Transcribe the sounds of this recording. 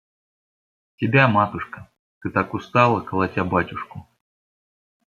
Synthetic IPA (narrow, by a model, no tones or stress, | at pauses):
tʲɪbʲamat̪ʊʂkə | t̪ɨt̪akʊst̪alˠəkɐlˠatʲabatʲʊʂkʊ